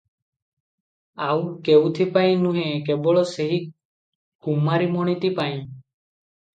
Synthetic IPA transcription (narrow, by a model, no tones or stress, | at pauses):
awkewt̪ʰipaĩnũɦẽkebɔɭɔseɦi | kumaɾimɔɽ̃it̪ipaĩ